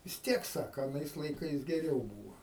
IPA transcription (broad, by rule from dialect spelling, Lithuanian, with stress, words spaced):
ʋʲɪs ˈtʲiɛk ˈsɑːkɐ ɐˈnɐɪs lˠɐɪˈkɐɪs ɡʲɛˈrʲɛʊ ˈbuːʋɐ